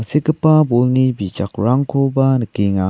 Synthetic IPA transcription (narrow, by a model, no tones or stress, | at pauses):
ŋsekəpabolnibit͡ʃakɾaŋkʰobanəkiŋa